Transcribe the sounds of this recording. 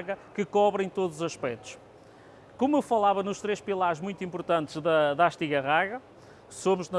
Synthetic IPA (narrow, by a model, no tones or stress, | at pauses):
ɣɐkɨkɔβɾɐ̃j̃t̪oðzuzɐʃpɛt̪u̥ʃ | komuewfɐlˠavɐnuʃt̪ɾeʃpilˠaɾʒmũj̃t̪ĩmpuɾt̪ɐ̃nt̪ɨʒðɐðaʃt̪iɣɐʁaɣɐ | somuʒnɐ